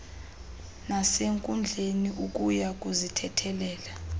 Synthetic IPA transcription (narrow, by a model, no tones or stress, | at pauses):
naseŋkʼund͡ɮʱeniuk̬ʼujak̬ʼuzitʰɛtʰɛlɛːla